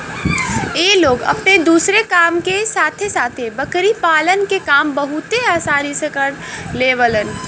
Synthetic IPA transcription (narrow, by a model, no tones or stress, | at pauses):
eloːɡə̰pned̪uːsɾekaːmkesaːt̪ʰesaːt̪ʰebəkɾipaːlənkekaːmbəɦut̪eaːsaːɾisẽkəɾleːʋələn